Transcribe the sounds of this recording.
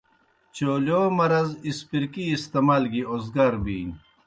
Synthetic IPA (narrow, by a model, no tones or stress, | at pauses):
t͡ɕoːljoːmɐɾɐzispiɾkiːst̪ɐmɐlɡiozɡɐɾbiːn